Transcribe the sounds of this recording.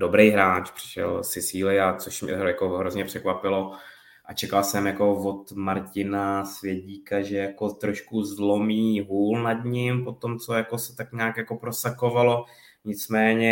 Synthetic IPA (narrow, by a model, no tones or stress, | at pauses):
dobɾejɦɾaːt͡ʃpr̥ɪ̥ʃɛ̰lsɪsiːlɪat͡soʃmɲɛ̰jakoɦɾozɲɛpr̝̥ɛkvapɪlo̞ | ʔat͡ʃɛkalsɛmjako̞vo̞t̪maɾcɪnasvjɛɟiːkaʒɛjako̞t̪ɾo̞ʃkuzlo̞miːɦuːlnadɲɪmpo̞t̪o̞mt͡so̞jakosɛ̥t̪akɲaːkjako̞pɾo̞sako̞valo̞ | ɲɪt͡smɛːɲɛ